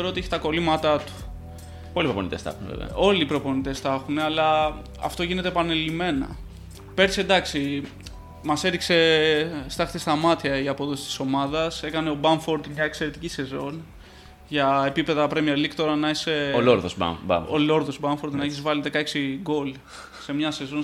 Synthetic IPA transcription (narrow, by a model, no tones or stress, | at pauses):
eɾoot̪ieçit̪ɐko̞limɐt̪ɐt̪u̥ | polipɾopo̰nit̪esθɐ̰xunḛvḛvḛo̞lipɾo̞po̞nit̪e̞sθɐxuneɐlɐ | ɐ̰ft̪o̞ʝine̞t̪epɐnelime̞nɐ̰ | pe̞ɾt̪isend̪ɐksi | mɐse̞ɾikse̞st̪ɐxt̪ist̪ɐmɐt̪çɐiɐpo̞ðo̞si̥st̪i̥so̞mɐðɐse̞kɐne̞o̞bɐɱfo̞ɾd̪imɲɐekse̞ɾet̪icise̞zo̞n | ʝɐepipe̞ðɐpɾemieɾlikt̪o̞ɾɐnɐiseoloɾðosb̰bɐ̰olo̞ɾðo̞zbɐɱfoɾd̪nɐeçizvɐliðe̞kɐeksiɡo̞l | se̞mɲɐse̞zo̞n